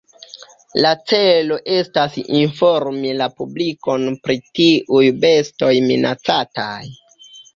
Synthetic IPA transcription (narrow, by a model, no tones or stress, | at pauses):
lat͡se̞lo̞ʔe̞stasḭnfoɾmilapubliko̞npɾitiʔujbe̞sto̞jminat͡sataj